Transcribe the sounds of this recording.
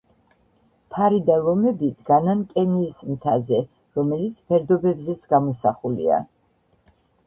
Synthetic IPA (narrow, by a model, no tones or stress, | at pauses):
pʰaɾid̪alˠɔmɛbid̪ɡanankʼɛniːsmt̪ʰazɛ | ɾɔmɛlit̪sʰpʰɛɾd̪ɔbɛbzɛt̪sʰɡamɔsaχulḭa̰